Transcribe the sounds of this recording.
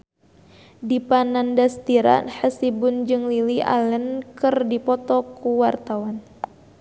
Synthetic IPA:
dipanandast̪iɾa̰nhəsibʊnd͡ʒɨŋlilia̰lənkɨrdipɔt̪ɔkuwart̪awan

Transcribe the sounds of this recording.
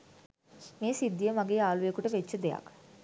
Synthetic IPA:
meːsid̪ːijəmaɡeːaːlujekuʈəʋet͡ʃːəd̪eja̰k

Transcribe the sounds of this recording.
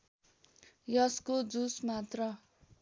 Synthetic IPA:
jʌskod͡zusmat̪rʌ

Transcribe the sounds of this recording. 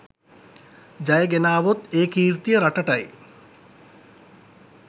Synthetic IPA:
d͡ʒajeɡenaːʋot̪eːkiːɾt̪ijəɾaʈɐʈaj

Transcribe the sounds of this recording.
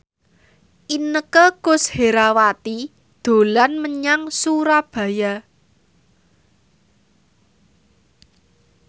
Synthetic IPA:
ʔinəkəkʊsheɾawat̪i | d̪̥o̤lanməɲaŋsuɾab̥ä̤ja

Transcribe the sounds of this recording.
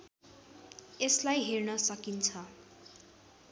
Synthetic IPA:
eslajɦernʌsʌkint͡sʰʌ

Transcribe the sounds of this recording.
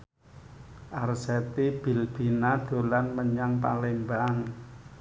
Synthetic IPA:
ʔarsɛt̪ib̥ilb̥i̤nad̪̥o̤lanməɲaŋpa̰lemban

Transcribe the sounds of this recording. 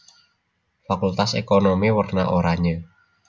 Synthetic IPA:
fakult̪asekonomiwərna̰ʔoɾaɲə

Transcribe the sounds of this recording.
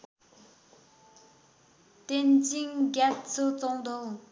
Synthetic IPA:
t̪ent͡ɕiŋɦɡap̚t͡sʰot͡soŋd̪ol

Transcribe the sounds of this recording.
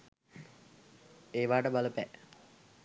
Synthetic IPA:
eːʋaːʈəbaləpɛ

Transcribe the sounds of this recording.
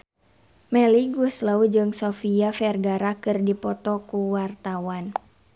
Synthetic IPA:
mɛliɡuəslaud͡ʒɨŋsofiafɛrɡaɾakɨrdipɔt̪ɔkuwart̪awan

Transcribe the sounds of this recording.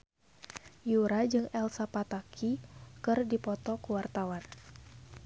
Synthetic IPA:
juɾad͡ʒɨŋɛlsapat̪akʰikɨrdipɔt̪ɔkuwart̪awan

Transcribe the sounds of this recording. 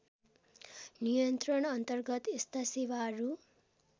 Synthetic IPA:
nijʌnt̪rʌɳʌnt̪ʌrɡʌt̪ist̪ʰʌsiwaɾu

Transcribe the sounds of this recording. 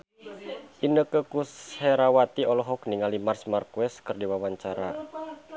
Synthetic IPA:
ʔinəkəkushɛɾawat̪iɔlɔɦɔk̚niŋalimarsmarkuɛskɨrdiwawaɲt͡ʃaɾa

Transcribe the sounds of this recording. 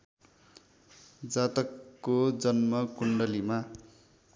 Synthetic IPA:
d͡zat̪ʌkːod͡zʌnmʌkuɳɖʌlima

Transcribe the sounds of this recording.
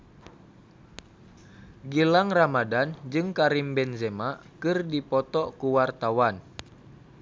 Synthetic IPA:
ɡilaŋramadand͡ʒɨŋkaɾimbɛnzɛmakɨrdipɔt̪ɔkuwart̪awan

